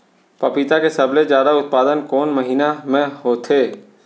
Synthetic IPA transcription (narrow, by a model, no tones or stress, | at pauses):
pɐpit̪akesəbled͡ʒjaːd̪aʊt̪̚paːd̪ənkɔːnməɦiːnamẽɦoːt̪ʰeː